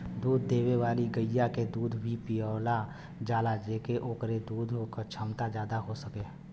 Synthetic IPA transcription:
d̪uːd̪ʱːeːweʋaːliɡəjaked̪uːd̪ʋipiəːla | d͡ʒaːlad͡ʒeːkeʔoːkɾed̪uːd̪ʱɦokət͡ʃʰəmt̪ad͡ʒjaːd̪aɦosəkeː

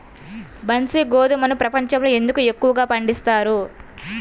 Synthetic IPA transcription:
bɐnsiɡoːd̪umɐnupɾɐpɐɲt͡ʃɐmloːe̞nd̪ukue̞kːuʋɐɡaːpɐɳɖist̪aːɾu

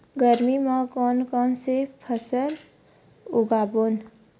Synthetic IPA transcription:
ɡəɾmimãkɔnkɔːnsepʰəsəl | uɡabon

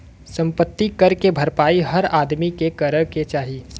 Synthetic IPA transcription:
sɐ̃mpət̪ːikɐɾkebʱɐɾpaːiɦɐɾaːd̪mikekɐɾəket͡ʃaːɦi

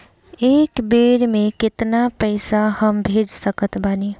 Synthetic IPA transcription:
eːkbeːɾmẽkɪt̪napəɪsahəmbʱeːd͡ʒsəkət̪ʰbaːni

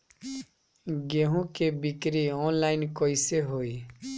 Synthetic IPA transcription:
ɡeɦũkebikɾiɔnlajnkɔjseɦoi

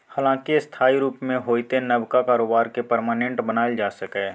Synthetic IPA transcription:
haːlãːkist̪ʰaːiɾuːpmẽɦoːit̪enəbkakaːɾoːbaːɾkepəɾmaːnẽɳʈbənaːed͡ʒaːsəkɛː

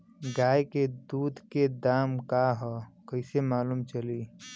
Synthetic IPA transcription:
ɡaːjked̪uːd̪ʱked̪aːmkaɦɔkəɪsemaːluːmt͡ʃəli

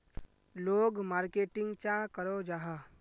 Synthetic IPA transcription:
loːɡmaːɾkeːʈɪ̃ŋɡt͡ʃãkəɾod͡ʒaɦa

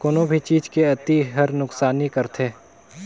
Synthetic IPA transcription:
koːnõbʱit͡ʃiːd͡ʒkeɐt̪iɦəɾnʊksaːnikɐɾt̪ʰeː

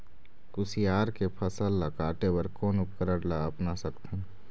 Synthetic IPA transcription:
kʊsijaːɾkepʰəsəlːakaːʈebəɾkɔːnʊpkəɾəɽlaəpnasəkt̪ʰə

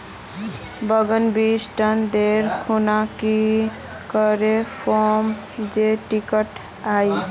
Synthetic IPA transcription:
bəɡənbisʈənd̪eɾkʰunaki | kəɾepʰom | d͡ʒeʈikəʈ | ai

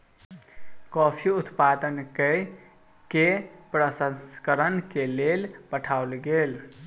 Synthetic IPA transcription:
kɔpʰiut̪pad̪ənke | kepɾəsəskəɾənkelelpəʈʰauwlɡel

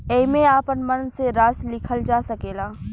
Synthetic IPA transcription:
eːmẽaːpənmənseɾaːslɪkʰəld͡ʒaːsɐkeːlaː

